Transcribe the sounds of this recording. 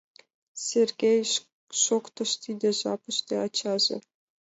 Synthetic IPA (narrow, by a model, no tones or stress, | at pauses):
sʲerʲɡʲej | ʃokt̪ɤ̆ʃt̪ʲid̪ʲɘ̆ʒɑpɤ̆ʃt̪ʲeɑt͡ɕɑʒɤ̰̆